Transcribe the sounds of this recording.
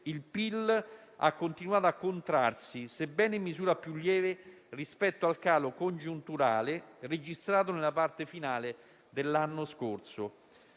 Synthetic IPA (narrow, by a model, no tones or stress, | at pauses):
ilpila̰kːont̪inuaːt̪oakːont̪ɾarsisebːɛːnimizuːɾapjulːjɛːve | rispɛt̪ːoalkaːlokond͡ʒunt̪uɾaːlered͡ʒist̪ɾaːt̪̬onelapart̪efinaːle | d̪elːanːoskort̪so